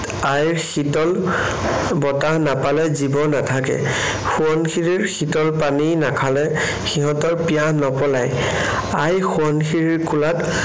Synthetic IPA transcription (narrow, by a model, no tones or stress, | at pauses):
ajɹxitɔl | bɔtanapalɛzibɔnatʰakɛ̰ | xuɔnxiɹiɹxitɔlpaninakʰalɛ | xiɦɔ̃tɔɹpijanɔpɔlaj | ajxuɔnxiɹiɹkulat